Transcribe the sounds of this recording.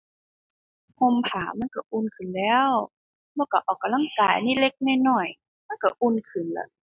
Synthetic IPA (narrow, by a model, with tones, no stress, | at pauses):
ho˧˨mpʰaː˨˦ma˧˥˨nka˧˩ʔuː˧˨nkʰɯ˨˩˨nlɛː˦˧˥w | lɛ˧˩wka˧˩ʔɔː˨˩kːa˨mla˧˥˨ŋkaː˨˩jniː˧˥˨le˧˥k̚na˧˨jnɔ˧˨˩j | ma˧˥˨nka˧˩ʔuː˧˥˨nkʰɯ˨˩˨nla̰˧˩